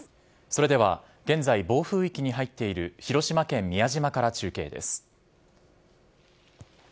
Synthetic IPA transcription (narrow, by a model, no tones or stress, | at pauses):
so̞ɾe̞d̪e̞βa̰ | ɡ̥ẽ̞nd͡zaibo̞ːɸɯ̟ːikʲiɲ̟iɦait̪ːe̞iɾɯ̟çiɾo̞ɕimakẽ̞mːʲiaʑimakaɾat͡ɕɨːke̞ːd̪e̞̰sɨ̥